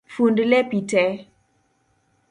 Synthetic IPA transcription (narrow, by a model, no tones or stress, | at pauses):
fundlɛpitɛ